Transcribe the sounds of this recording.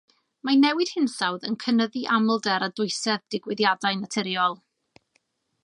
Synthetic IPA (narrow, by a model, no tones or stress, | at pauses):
manɛwɨd̥hɪnsawðənkʰənəðiʔamlˠdɛɾadʊɨsɛðd̥ɪɡwɪðjadajnatʰɛɾjɔlˠ